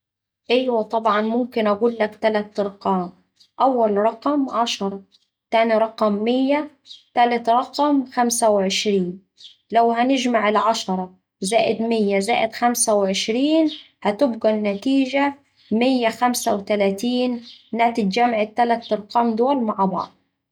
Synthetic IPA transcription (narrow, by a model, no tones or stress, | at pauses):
ʔajwat̪ˤɑbʕɑnmʊmkɪnʔaɡuːlːakt̪alat̪ʔɑɾˤqɑːm | ʔawːalɾˤɑqɑmʕɑʃɑɾˤɑ | t̪aːniɾˤɑqɑmːɪjːa | t̪alat̪ɾˤɑqmxamsawʕɪʃɾiːn | lawhanɪd͡ʒmaʕɪlʕɑʃɑɾˤɑ | zaːʔɪd̪mɪjːazaːʔɪd̪xamsawʕɪʃɾiːn | hæt̪ɪbɡanːat̪iːʒa | mɪjːaxamsawt̪alaːt̪iːnːaːt̪ɪd̪d͡ʒamʕɪt̪ːalat̪ʔɑɾˤqɑːmd̪ʊːlmaʕbɑ̰ʕd̪̚ˤ